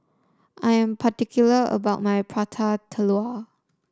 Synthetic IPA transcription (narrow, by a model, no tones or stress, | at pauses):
ʔajə̃mpʰatikʰjuləə̰baʊt̚majpʰɹatʰatʰəlua